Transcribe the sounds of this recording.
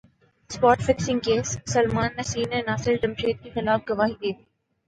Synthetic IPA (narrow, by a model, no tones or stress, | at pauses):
spɔːʈfɪksɪ̃ŋɡkeːsːɐlmaːnːɐsiːnenaːsɪɾɖɪmʃeːt̪̚kexɪlaːfɡɐʋaːɦid̪eːt̪ʰiː